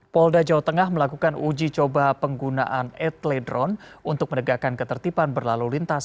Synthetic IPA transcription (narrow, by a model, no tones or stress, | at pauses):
pɔldad͡ʒawat̪əŋahməlakukanud͡ʒit͡ʃobapəŋɡuna̰ʔanɛt̪lɛdɾɔnunt̪ʊk̚mənəɡakankət̪ərt̪ipanbərlalulint̪as